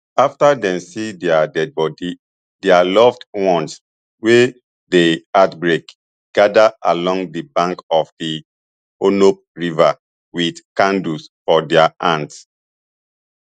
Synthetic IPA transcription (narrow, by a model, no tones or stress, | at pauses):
aftadɛ̃nsidɛadɛd̚bɔdi | dɛalɔftwɔ̃ns | we | deatbɹek | ɡ̥adaʔalɔ̃ŋdibãŋkɔfdi | onop̚ɹiva | widkãndusfɔdɛaʔãnds